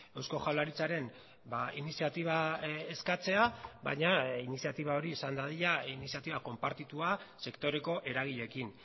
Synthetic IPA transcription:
e̞wsko̞xawlaɾit͡saɾe̞n | bainisiat̪iβ̞aeskat͡se̞aβa̰ɲainisiat̪iβao̞ɾiːsand̪að̞iʎainisiat̪iβako̞mpaɾt̪it̪uase̞kt̪o̞ɾe̞ko̞ʔe̞ɾaɣ̞iʎe̞kin

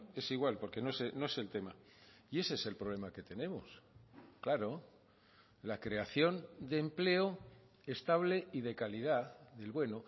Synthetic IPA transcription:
e̞siɣwalpo̞ɾke̞noesenoe̞se̞lt̪e̞ma | ie̞seese̞lpɾo̞β̞le̞make̞t̪e̞nẽ̞mosklaɾo̞ | lakɾe̞aθjo̞nd̪e̞mple̞o | e̞st̪aβ̞le̞ið̞e̞kalið̞aðe̞lβwe̞no

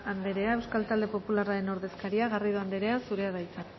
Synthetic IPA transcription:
and̪e̞ɾe̞ae̞wskalt̪ald̪e̞po̞pularaɾe̞no̞ɾðe̞skaɾiaɣariðoand̪eɾe̞asuɾe̞aðajt͡sak

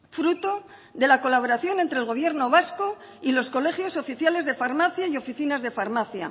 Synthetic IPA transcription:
fɾut̪o̞ | ðe̞lako̞laβo̞ɾaθjo̞nent̪ɾelɣo̞β̞je̞ɾno̞βasko̞ | ilo̞sko̞le̞χjo̞so̞fiθjale̞zðe̞faɾmaθjaio̞fiθinazðe̞faɾmaθja̰

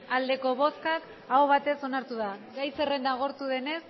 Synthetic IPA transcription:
ald̪e̞ko̞βo̞skak | aoβ̞at̪e̞so̞naɾt̪uðaɣajse̞re̞nd̪aɣ̞o̞ɾt̪uðe̞ne̞s

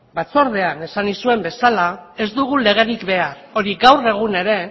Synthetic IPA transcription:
bat͡so̞ɾð̞e̞ane̞sanisue̞mbe̞salae̞zd̪uɣule̞ɣ̞e̞ɾikbe̞aɾo̞ɾiɣawre̞ɣ̞une̞ɾe̞

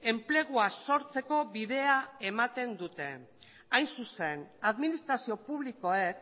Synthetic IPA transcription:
e̞mple̞ɣ̞uaso̞ɾt͡se̞ko̞βiðe̞ae̞mat̪e̞nd̪ut̪e̞ | ajnsuse̞naðminist̪ɾasio̞puβliko̞ek

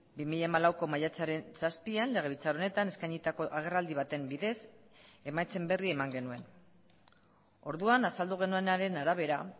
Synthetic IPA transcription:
bimiʎamalawko̞majat͡saɾe̞nsaspianle̞ɣe̞βit͡saɾo̞ne̞t̪ane̞skajɲit̪ako̞ʔaɣ̞e̞rald̪iβ̞at̪e̞mbiðe̞s | e̞majt͡se̞mbe̞rie̞maŋɡe̞nue̞n | o̞ɾðuanasald̪uɣ̞e̞nue̞naɾe̞naɾaβ̞e̞ɾa

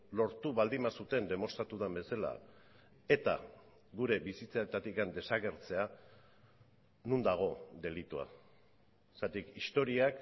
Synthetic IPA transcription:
lo̞ɾt̪uβald̪imasut̪e̞nd̪e̞mo̞st̪ɾat̪uðambe̞sala̰ | e̞t̪a̰ | ɡuɾe̞bisit͡saet̪at̪ikand̪e̞saɣe̞ɾt͡se̞a | nund̪aɣ̞o̞d̪e̞lit̪ua̰ | sat̪ikist̪o̞ɾiak

